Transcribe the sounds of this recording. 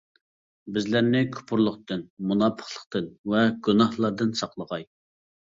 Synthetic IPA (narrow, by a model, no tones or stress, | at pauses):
bɪzlæɾnɪkʲʰu̥pʰʊɾlˠʊqt̪ɨnmunɑpʰə̥χlˠəqt̪ʰɨnvɛɡunɑhlˠɑɾd̪ɨnsɑqlˠəʁɑj